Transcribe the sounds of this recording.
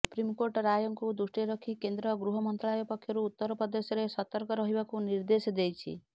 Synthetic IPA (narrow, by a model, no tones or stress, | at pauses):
supɾimkoɾʈɔɾajɔŋkud̪usʈiɾɔkʰikend̪ɾɔɡɾuɦɔmɔnt̪ɾaajɔpɔkʰjɔɾuːt̪ːɔɾɔpɔd̪esjɔɾesɔt̪ɔɾkɔɾɔɦibakuniɾd̪esɔd̪ejt͡ʃʰḭ